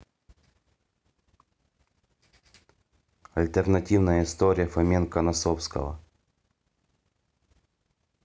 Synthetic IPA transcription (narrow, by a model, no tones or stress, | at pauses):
ɐlʲt̪ərnɐtʲivnəjəɪst̪oɾʲɪjəfɐmʲenkɐnɐsɔfskə̰ʋɐ̰